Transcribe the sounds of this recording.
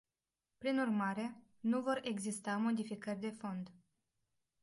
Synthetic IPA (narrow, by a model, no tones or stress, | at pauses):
pɾinurmaɾe̞ | nuvo̞re̞ɡzist̪amo̞d̪ifikərʲd̪e̞fo̞nd̪